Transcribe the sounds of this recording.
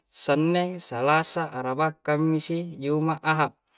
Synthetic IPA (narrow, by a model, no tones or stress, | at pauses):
sanːesalasaʔːɾabakːamːisid͡ʒumaʔaɦap̚